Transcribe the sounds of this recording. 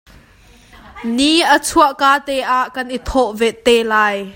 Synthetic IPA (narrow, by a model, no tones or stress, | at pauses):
niʔət͡sʰuəʔkaːt̪ɛʔaːʔkɐnʔit̪ʰɔʔvɛʔt̪ɛlaːj